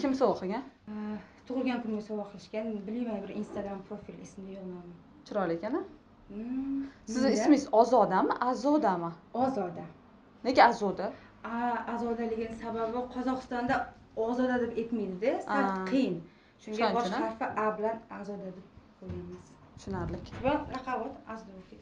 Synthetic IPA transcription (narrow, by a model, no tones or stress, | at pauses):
kʲʰɪmsɒwɑqʰɨɡʲan | t̪ʰʊʁɨlˠɡʲankʰʊnɡʲasɒwaqʰɨlˠɪʃkʲanbɪlmijmanbɪɾḭnst̪aɡɾampɾofilɪsmɪd̪ɪjoʁnama | t͡ʃʰɪɾɒlekʲanɪ | sɪzɪsmɪzɒzɒd̪amaʔazɒd̪amaɒzɒd̪a | nekʲɪazɒd̪a | aːzɒd̪alɪɡʲɪnɪsababɪbɒqʰɒzɒqɨst̪ɒnd̪a | ɒzɒd̪ad̪ɪpet̪mijd̪ɪd̪esaɾt̪qʰɨjɪn | ʃʊŋʲabnaɾfɪʔabɪlanazɒd̪ad̪ɪp̚qojɪmɪz̥ | t̪ʰʊ̥ʃʊnaɾlɪkʲbaɾaqʰabat̪azd̪okʲʰɪ